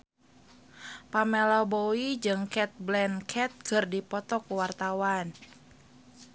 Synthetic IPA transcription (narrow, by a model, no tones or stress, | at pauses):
pamɛlɔboid͡ʒɨŋkɛt̪̚blɛnkʰɛt̪̚kɨrdipɔt̪ɔkuwart̪awan